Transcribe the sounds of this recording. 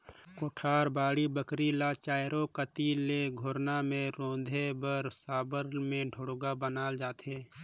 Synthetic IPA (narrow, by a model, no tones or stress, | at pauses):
koːʈʰaːɾbaːɽibəkɾilat͡ʃaːjɾokət̪ileɡʱoːɾnamẽɾõːd̪ʱebəɾsaːbəɾmẽɖʱʊɽɡabənaːld͡ʒaːt̪ɦeː